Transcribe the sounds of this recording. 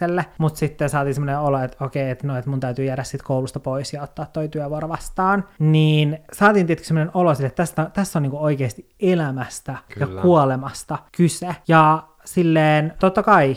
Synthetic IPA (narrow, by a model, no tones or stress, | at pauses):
elːemut̪sit̪ːensɑːt̪iːnsemːoneoloet̪okeiet̪noet̪munt̪æyt̪yːjæːɾæssit̪koulust̪ɑpoisjɑot̪ːɑːt̪ːoit̪yæʋuoɾoʋɑst̪ɑːnniːnsɑːt̪iːnet̪ky̥semːonenolosilːet̪ːt̪æst̪æt̪æsːoniːŋkuoikeːst̪i | elæmæst̪ækjɑkːuolemɑst̪ɑkysejɑ | silːeːnt̪ot̪ːɑkɑi